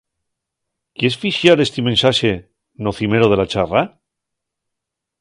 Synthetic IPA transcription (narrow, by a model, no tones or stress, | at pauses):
kjesfiʃjaɾe̞st̪imẽ̞nsaʃe̞ | noθime̞ɾoð̞e̞lat͡ʃara